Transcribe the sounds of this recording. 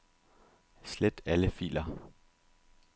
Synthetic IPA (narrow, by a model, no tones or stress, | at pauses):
sled̥æləfḭːlɐ